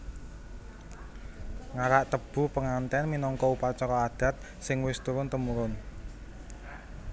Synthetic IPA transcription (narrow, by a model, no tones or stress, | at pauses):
ŋaɾaʔt̪əb̥ṳpəŋant̪ɛnminɔŋkɔupat͡ʃɔɾɔad̪̥ä̤t̪̚ | sɪŋwɪst̪uɾʊnt̪əmuɾʊn